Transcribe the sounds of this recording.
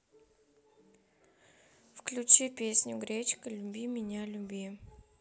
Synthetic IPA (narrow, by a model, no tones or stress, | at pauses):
fklʲut͡ɕipʲesʲnʲʊɡɾʲet͡ɕkəlʲubʲimʲɪnʲalʲʊbʲi